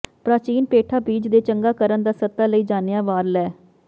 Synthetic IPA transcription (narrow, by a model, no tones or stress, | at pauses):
pɾaːt͡ʃiːnpeːʈʰaːbiːd͡ʒd̪eːt͡ʃəŋɡaːkəɾənd̪aːsət̪ːaːləiːd͡ʒaːnejaːʋaːɾlɛː